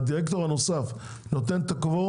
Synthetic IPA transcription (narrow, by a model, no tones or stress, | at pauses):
d̪iʁekt̪oanosaf | not̪̬ent̪akvo